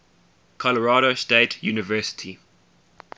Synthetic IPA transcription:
kʰɔləɹɑːɾostetʰjuːnɪvɜːˑsɪ̥tʰi

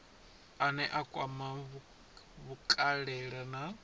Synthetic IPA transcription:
anɛʔakʼwamaβ | βukʼaɺɛɺana

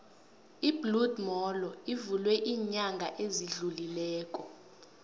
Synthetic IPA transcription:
ibludmɔlɔivulwɛʔiːɲaŋɡʱaʔeziɮulilɛːkʼɔ

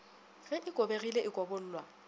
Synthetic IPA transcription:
ɣɛʔɪkʼobeɣileʔɪkʼɔbol̩ːlwa

